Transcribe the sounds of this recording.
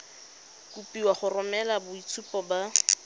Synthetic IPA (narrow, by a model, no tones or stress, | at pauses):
kupiwaχʊrʊmɛlabʊit͡sʰupɔba